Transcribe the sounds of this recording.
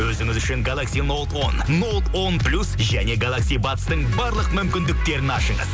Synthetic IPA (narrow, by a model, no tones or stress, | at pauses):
wɵzɪŋɪzʏʃɪŋɡalˠaksijno̞lˠt̪o̞̰nno̞lˠt̪wo̞nplʲusʒæne̞ɡalˠaksijbɑt̪ə̥st̪əɴbɑɾlˠəqmʏmkʲɪnd̪ɪk̚t̪e̞ɾɪnɑʃəɴə̰z